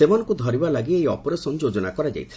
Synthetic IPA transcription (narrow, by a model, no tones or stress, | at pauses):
emanɔ̃ŋkud̪ʱɔɾibalaɡiejɔpɔɾasɔnd͡ʒod͡ʒɔnakɔɾad͡ʒa̰jt̪ʰile